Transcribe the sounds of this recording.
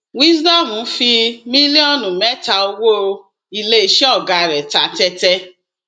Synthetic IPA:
wi˦sdɔ˦˨mũ˨˦fi˧mĩ˦li˦ɔ˦˨nũ˨mɛ˦ta˧o˧wo˦˧ | i˧le˦i˦ʃɛ˦ɔ˦˨ɡa˧˨ɾɛ˨ta˨tɛ˧tɛ˦

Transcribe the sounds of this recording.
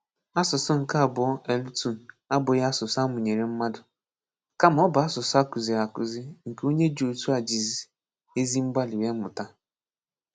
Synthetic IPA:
a˦sʊ˨sʊ˦ŋ̩˨ka˦a˨bʊ˨˦ɔ˦e˨lu˦tu˦˨ | a˦bʊ˨ja˦a˦sʊ˨sa˦mʊ˨ɲe˨ɾe˨m̩˦ma˦dʊ˨ | ka˦m̩˦ɔ˦ba˨a˦sʊ˨sʊ˦a˦kʊ˨zi˨ɾa˨kʊ˨zi˦ŋ̩˨ko˦ɲe˦d͡ʒo˨tu˦a˨d͡ʒi˨zi˨ | e˦zi˦m̩˦ɡ͡ba˦li˨je˦mʊ˨ta˦

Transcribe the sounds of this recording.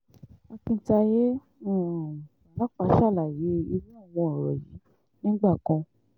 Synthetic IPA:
a˧kĩ˧˦ta˧je˦ | ɔ̃˦˨a˨a˨la˦k͡pa˨˧˦ʃa˦˨la˨je˨˦˧i˧ɾi˦a˦˨w̃ɔ̃˧ɔ˨ɾɔ̰˨jḭ˨˦ | nĩ˦ɡ͡ba˦˨kɔ̃˧

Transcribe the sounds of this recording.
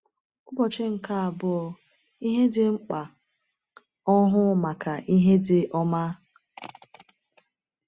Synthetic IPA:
ʊ˦bɔ˨t͡ʃɪ˦ŋ̩˨ka˦a˨bʊ˨ɔ˨ | i˦ɦe˦dɪ˦ŋ͡m̩˦k͡pa˨ | ɔ˦ɦʊ˦ma˨ka˨ʔi˦ɦe˦dɪ˨ʔɔ˦ma˦

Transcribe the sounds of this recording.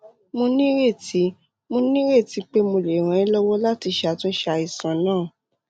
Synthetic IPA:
mo˧nĩ˦ɾe˦˨ti˨˦ | mo˧nĩ˦ɾe˦˨ti˨˦k͡pe˦mo˧le˨ɾ̃ã˨˧ĩ˦lɔ˦wɔ˦la˦ti˧ʃa˨tũ˧˦ʃa˧i˨sã˨nãː˦˨

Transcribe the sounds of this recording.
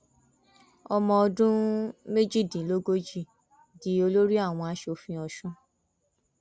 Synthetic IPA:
ɔ˧mɔ̃˧ɔ˧dũ˦me˦d͡ʒi˦˨dĩ˨˦lo˦ɡo˦d͡ʒi˦˨ | di˨˦o˧lo˦ɾi˦a˦˨w̃ɔ̃˧a˧˦ʃo˧fĩ˧ɔ˧ʃũ˦

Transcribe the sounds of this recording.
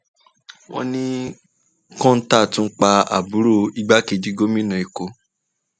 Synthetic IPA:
wɔ̰̃˧nĩ˦ | kɔ̃˦n̩˦ta˦˨tũ˦k͡pa˧a̰˨bu˨˦ɾo˦˨i˦ɡ͡ba˦ke˧˨di˨˦ɡo˦mĩ˦nã˨i˨ko˧˦

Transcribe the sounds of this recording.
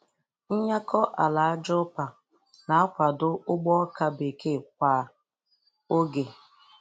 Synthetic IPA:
n̩˦ɲa˦kʰɔ˦ʔa˨la˨a˦d͡ʒɔ˦pa˨ | na˨a˦kʷa˨dʊ˦ʊ˦ɡ͡bɔ˦ka˦be˨ke˦˨kʷa˨ | o˦ɡe˨

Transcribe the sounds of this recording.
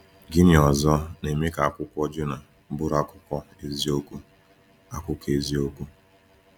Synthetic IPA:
ɡɪ˦nɪ˨ɔ˨zɔ˦ne˨mɪ˦ka˨a˦˨kʷʊ˦kʷɔ˦d͡ʒʊ˦na˨˦ | bʊ˦ɾa˦kʷʊ̥˦kɔ˦ | e˨zi˦o˦kʷu˦ | a˦kʷʊ˦ke˨zi˦o˦kʷu˦

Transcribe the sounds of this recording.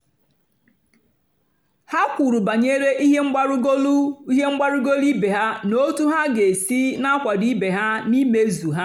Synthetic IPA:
ha˦kʷu˨ɾu˨ba˨ɲe˦ɾe˦ʔi˦ɦe˦ŋ͡m̩˦ɾlɦe˦ŋ͡m̩˦ɡ͡ba˦ɾu˦ɡo˦li˦be˨ɦa˦no˦tu˦ɦa˦ɡe˨si˦na˦kʷa˨di˦be˨ɦa˦ni˦me˦zu˨ɦa˦

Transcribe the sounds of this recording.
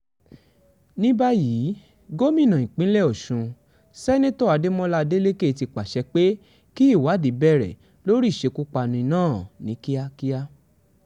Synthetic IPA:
nĩ˦ba˦ji˨˦ | ɡo˦mĩ˦˨nã˨ĩ˨k͡pĩ˦lɛ˦˨ɔ˨ʃũ˨˧ | sɛ˦nẽ˦tɔ˦˨a˨˧de˦mɔ̃˦la˦de˦le˦ke˦˨ti˧k͡pa˨ʃɛ˧k͡pe˦ | ki˦i˦˨wa˨˦˨di˨˦bɛ˦˨ɾɛ̰˨ | lo˦ɾi˦˨ʃe˨˧ku˦k͡pa˧nũ˧i˧˦nãː˦˨nĩ˨˦ki˦a˦ki˦a˦

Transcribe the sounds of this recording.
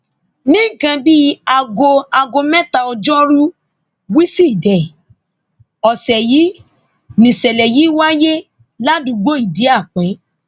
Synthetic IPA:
nĩ˦˨ɡã˧bi˦a˧ɡo˧a˧ɡo˧mɛ̃˦ta˦˧ɔ˧d͡ʒɔ˦ɾu˦ | wi˦si˦˨dɛ˨ | ɔ˨sɛ˨ji˨˦ | nĩ˨sɛ˨lɛ˨ji˨˦wa˦je˦ | la˦du˨˧ɡ͡bo˦i˦˨di˨˦a˦˨k͡pɛ̃˨˦

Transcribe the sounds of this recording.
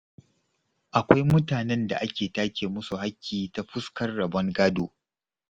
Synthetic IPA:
ʔa˨kʷa˦jmʊ˦taː˨nɛ˦nda̰˨ʔa˦kʲeː˨taː˦kʲeː˨mʊ˦su˨ha˦kʲːiː˨ta˦ɸʊ˦skɐ˦rːɐ˨bɔ˦ŋɡaː˦doː˨

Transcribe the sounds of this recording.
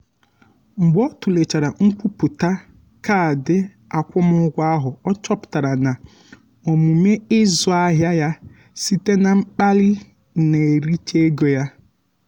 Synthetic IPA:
ŋ͡m̩˨ɡ͡bɔ˦tʊ˨le˨t͡ʃa˨ɾa˨ŋ̩˦k͡pu˦pu˨ta˦ | ka˦a˨dɪ˦ | a˨kʷʊ˦mʊ˦ɡʷa˦ɦʊ˨ɔ˦t͡ʃɔ˦pʊ̥˨ta˨ɾa˨na˨ | o˨mu˨me˦ɪ˦zʊ˨a˦ɦja˦ja˦ | si˦te˦na˨ŋ͡m̩˦k͡pa˦lɪ˦˨ | ne˨e˨ɾi˦t͡ʃe˦e˦ɡo˨ja˦

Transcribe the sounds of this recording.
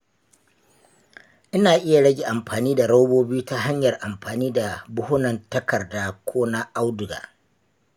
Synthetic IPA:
ʔɪ˦naː˨ʔɪ˦ja˨ɽɐ˦ɡʲeː˨ʔa˨mɸaː˨niː˦da˨ɽa˦wboː˦bi˦u˦ta˦ɦa˦ɲjɐ˨rʔa˨mɸaː˨niː˦da˨bʊ˦hʊ˦nɐ˨ntɐ˦kɐ˨rdaː˦kʷʰoː˦na˦ʔa˦wdʊ˨ɡa̰ː˨

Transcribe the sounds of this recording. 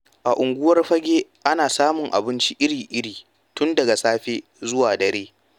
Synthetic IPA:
ʔa˨ʔʊ˨ŋɡʷʊ˦wɐ˦rɸɐ˦ɡʲeː˦ʔa˦naː˨saː˦mʊ˨ŋʔa̰˨bɪ˦nt͡ʃi˦ʔɪ˦ɽiː˨ʔɪ˦ɽiː˨ | tʊ˦ndɐ˨ɡa˨saː˦ɸeː˦ | zʊ˦waː˨dɐ˨ɾeː˦

